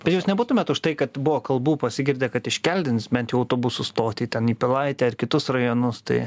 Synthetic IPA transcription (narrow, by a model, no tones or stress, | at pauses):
b̥ʲɛt̪jɛʊsnʲɛbuːt̪ʊmʲɛt̪ʊʃt̪ɐɪkɐt̪bʊʋoːkɐlˠbuːpɐsʲɪɡʲɪɾʲd̪ʲeːkɐt̪ɪʃʲkʲɛlʲd̪ʲɪnsbʲɛnt̪jɛʊɐʊt̪oːbʊsʊst̪oːt̪ʲit̪ʲɛniːpʲɪlˠɐɪt̪ʲɛːɐrkʲɪt̪ʊsrɐjonʊst̪ɐ̰ɪ